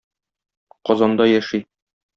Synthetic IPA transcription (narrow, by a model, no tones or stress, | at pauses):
qɒzɑnd̪ɑjæʃi